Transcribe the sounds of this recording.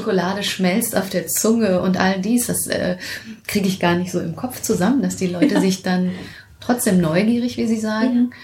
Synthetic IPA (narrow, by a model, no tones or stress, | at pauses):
okʊlaːdəʃmɛlsta̰ʊfd̥eːɐt͡sʊŋəʊntʔaldiːsd̥asʔɛ̰ːkʁ̥iːɡəɪçɡ̥aːɐnɪçtz̥oːɪmkʰɔp͡ft͡suzamənd̥asd̥iːlɔʏtəzɪçd̥an | tʁ̥ɔt͡sd̥eːmnɔʏɡiːʁ̞ɪçv̥iːziːzaːɡŋ̩